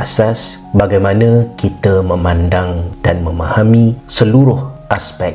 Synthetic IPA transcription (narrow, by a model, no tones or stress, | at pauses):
asas | baɡajmãnə̃kit̪əmə̃mãndaŋd̥anmə̃mãhamĩsəluɾʊhʔaspɛk̚